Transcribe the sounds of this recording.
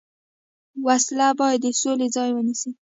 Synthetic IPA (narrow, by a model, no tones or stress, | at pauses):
waslabɑjad̪ːəsolezɑjwənisi